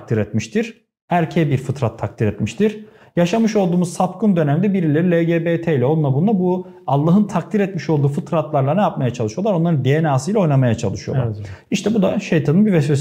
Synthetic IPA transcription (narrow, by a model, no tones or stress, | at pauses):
k̚t̪ʰiɾɛt̪̚miʃt̪ʰiɾ̥ | æɾcʰebiɾfɯt̪ɾat̪ʰːak̚t̪ʰiɾɛt̪miʃt̪ʰiɾ̥ | jaʃamɯʃolˠd̪uːmuzsapkɯnd̪ø̞næmd̪ɛbiɾilʲeɾilʲeɟeːbet̪ʰeilʲɛo̞lˠunabund̪abu | alˠːaɦɯnt̪ʰak̚t̪ʰiɾɛt̪miʃolˠd̪uːfɯt̪ɾat̪lˠaɾlˠanɛjap̚majat͡ʃʰalˠɯʃɯjo̞lˠaɾo̞nlˠaɾɯnd̪ejenaːsɯjlʲɛo̞jnamajat͡ʃʰa̰lˠɯʃɯjoaɾiʃt̪ʰɛbud̪aʃe̞jt̪ʰanɯnbivɛsfes